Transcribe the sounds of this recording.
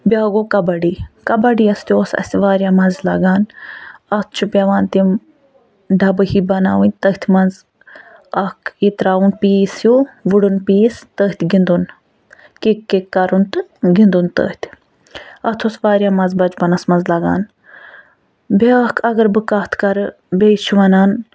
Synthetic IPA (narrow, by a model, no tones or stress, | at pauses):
bʲaːɡoːkɐbɐɖiːkɐbɐɖiːɐst̪ʲjoːsɐ̰sʋaːɾʲjaːmɐnzlɐ̰ɡaːnɐt̪ʰt͡ʃʰubʲɐʋaːnt̪im | ɖɐbɨhibɐna̰ːʋɨnʲt̪ɐht̪ʰmɐnz | ɐkʰit̪ɾaːunpiːsjoːʋuɽunpiːst̪əht̪ʰʲɡind̪un | kekːekːɐɾunt̪ɨɡind̪unt̪ə̰ːht̪ʲ | ɐt̪ʰoːsʋaːɾʲjaːmɐnzbɐd͡ʒbɐnɐsmɐnzlɐɡa̰ːn | bʲeɐkʰɐɡɐɾbɨkɐht̪ʰkɐɾɨ | bʲeːt͡ʃʰuʋɐnaːn